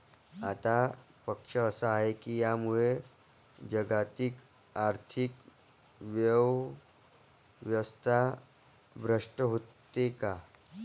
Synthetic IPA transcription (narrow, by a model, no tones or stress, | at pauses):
at̪a | pəkʂəəsəaɦekijamuɭe | d͡ʑəɡat̪ik | aɾt̪ʰik | ʋjəʋ | ʋjəst̪ʰa | bɾəʂʈəɦot̪ːeka